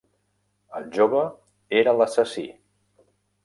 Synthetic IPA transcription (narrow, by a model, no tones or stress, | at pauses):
əlˠʒoβə | eɾələsəsḭ